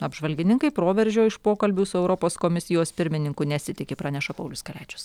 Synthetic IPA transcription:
ɐbʒʋɐlʲɡʲɪnʲɪŋkɐɪpɾoːʋʲɛɾʲʒʲoːɪʃpoːkɐlʲbʲuːsʊɛʊɾɔpoːskoːmʲɪsʲɪjoːspʲɪɾʲmʲɪnʲɪŋkʊnʲɛsʲɪt̪ʲɪkʲepɾɑːnʲɛʃɐpɐʊlʲʊskɐlʲɛːt͡ʃʲʊ̥s

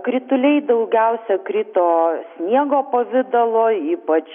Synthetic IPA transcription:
kɾʲɪt̪ʊlʲɛɪd̪ɐʊɡʲɛʊsʲɛkɾʲɪt̪oːsʲnʲiɛɡoːpɐʋʲɪd̪ɐlˠoːiːpɐt͡ʃ

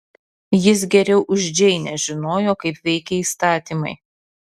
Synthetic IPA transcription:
jɪs̬ɡʲɛɾʲɛʊʔʊʒʲd͡ʒʲɛɪnʲɛʒʲɪnoːjoːkɐɪpʋʲɛɪkʲeiːst̪ɑːt̪ʲiːmɐ̰ɪ

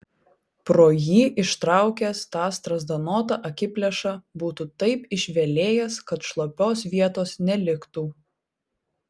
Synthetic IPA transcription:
pɾoːjiːʔɪʃt̪ɾɑˑʊkʲɛːst̪ɑːst̪ɾɐzd̪ɐnoːt̪ɑʔɐkʲɪpʲlʲɛʃɑbuːt̪ut̪ɐɪpɪʃʲʋʲɛlʲeːjɛskɐt̪ʃlˠopʲoːsʋʲiɛt̪oːsnʲɛlʲɪkt̪uː

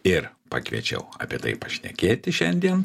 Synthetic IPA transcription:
ɪrpɐ̰kʋʲiɛ̰t͡ʃʲɛ̰ʊɑ̰ːpʲeɛt̪ɐ̰ɪpɐʃʲnʲɛkʲeːt̪ʲɪʃʲɛnʲd̪ʲiɛn

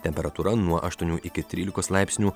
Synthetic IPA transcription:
t̪ʲɛmʲpʲɛɾɐt̪uːɾɐnuɔʔɐʃt̪uɔnʲuːʔɪkʲɪt̪ʲɾʲiːlʲɪkoːslˠɑɪpʲsʲnʲuː

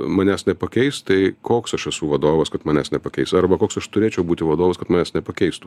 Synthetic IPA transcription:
mɐnʲæːsnʲɛpɐkʲɛɪst̪ɐɪkoːksɐʃɛsuʋɐd̪oːʋɐskɐt̪mɑːnʲæːsnʲɛpɐkʲɛɪsɐɾbɐkoːksɐʃt̪ʊɾʲeːt͡ʃʲɛʊbuːt̪ʲɪʋɐd̪oːʋɐskɐt̪mɑːnʲæːsnʲɛpɐkʲɛɪst̪ʊ

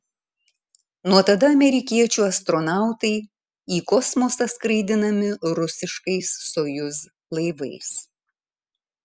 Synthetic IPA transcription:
nuɔt̪ɐd̪ɐɐmʲɛɾʲɪkʲiɛt͡ʃʲuːɐst̪ɾɔnɑˑʊt̪ɐɪ | iːkɔsmosɐskɾɐɪd̪ʲɪnɐmʲɪɾʊsʲɪʃkɐɪsːoːjʊs | lˠɐɪʋɐɪs

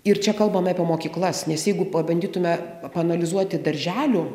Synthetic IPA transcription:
ɪrt͡ʃʲɛkɐlˠbɐmɑːpʲiɛmoːkʲiːklˠɐsnʲɛsjɛɪɡʊpɐbɐnʲd̪ʲiːt̪ʊmʲɛ | pɐnɐlʲɪzuɔt̪ʲɪd̪ɐɾʲʒʲæːlʲʊ

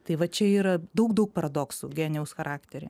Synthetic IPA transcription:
t̪ɐɪʋɐt͡ʃʲɛiːɾɐd̪ɐʊkd̪ɐʊk̚pɐɾʔɐd̪oːksuɡʲæːnʲɛʊsxɐɾʔɑːkt̪ʲɛɾʲɛ̰

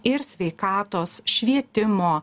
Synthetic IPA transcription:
ɪɾsʲʋʲɛɪkɑːt̪oːsʃʲʋʲiɛt̪ʲɪmoː

